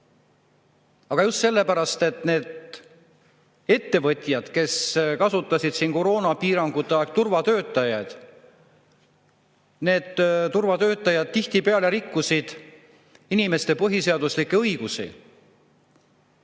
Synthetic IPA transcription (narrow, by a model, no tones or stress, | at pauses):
ɑɡ̥ɑjust̪se̞lːe̞pæɾɑst̪e̞t̪ne̞ːd̪ | e̞t̪ːe̞vɤt̪ʲˑjɑd̪̥ke̞skɑsut̪ːˑɑsid̪̥siːnko̞ɾo̞ːnɑpiːɾɑŋɡ̥ut̪ˑːeɑk̚t̪urvɑt̪øːt̪ːˑɑjɑjd̪̥ | ne̞ːd̪̥t̪urvɑt̪øːt̪ːˑɑjɑd̪̥̚t̪iht̪ipeɑle̞ɾikːusid̪̥ | inime̞st̪e̞pɤɦise̞ɑd̪̥uslikːˑe̞ɤjɡ̥usḭ